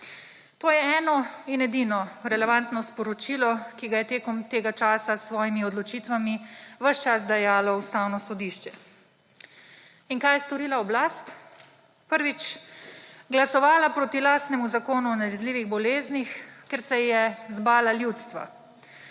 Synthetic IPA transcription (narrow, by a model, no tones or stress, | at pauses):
t̪oːjɛɛːnɔinɛd̪inɔɾɛlɛʋant̪nɔspɔɾɔt͡ʃiːlɔkiɡajɛt̪eːkɔmt̪eːɡat͡ʃaːsasʋɔːjimiɔd̪lɔt͡ʃiːt̪ʋamiʋəʃt͡ʃas̬d̪ajaːlɔust̪aːwnɔsɔd̪iʃt͡ʃɛ | iŋkajɛst̪ɔɾiːlaɔblast̪ | pəɾʋit͡ʃ | ɡlasɔʋaːlapɾoːt̪ilaːst̪nɛmuzakoːnuɔnalɛzliːʋiɣbɔleːznixkeɾsɛjɛzbaːlaljut̪st̪ʋa̰